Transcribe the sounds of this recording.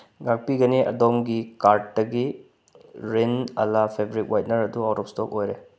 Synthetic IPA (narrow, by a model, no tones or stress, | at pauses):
ɡak̚piɡɐniʔɐ̰domɡikaɾtːɐɡi | ɾenɐ̰lapʰebɾit̚wajt̚nɐɾɐduawtɔp̚stɔkojɾe